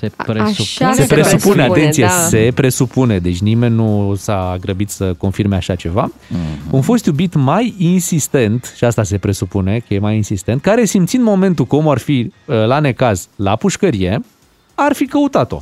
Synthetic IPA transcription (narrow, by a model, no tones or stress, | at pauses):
eɾsepɾesupuneat̪e̞nsijese̞pɾe̞supune̞d̪e̞t͡ʃʲnime̞nʲːusaːɡɾəbit̪səko̞nfirme̞aʃat͡ʃe̞vaunfo̞st̪jubit̪majinsist̪e̞nt̪ʃiast̪ase̞pɾe̞supune̞kəjemajinsist̪e̞nt̪̚kaɾe̞simt̪sind̪mo̞me̞nt̪ukomuarfilane̞kazlapuʃkəɾije̞ | arfikəut̪at̪o̞̰